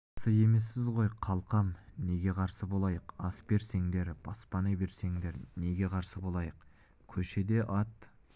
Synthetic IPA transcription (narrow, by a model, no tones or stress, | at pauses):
səje̞me̞sːɪzʁo̞jqʰɑlˠqɑmne̞ɡʲe̞qʰɑɾsəbo̞lˠɑjəqɑsbe̞ɾse̞ŋd̪e̞ɾb̥ɑspɑnɑbe̞ɾse̞ŋd̪e̞ɾne̞ɡʲe̞qʰɑɾsəbo̞lˠɑjəq | kʲʰɵʃe̞d̪e̞ʔɑt̪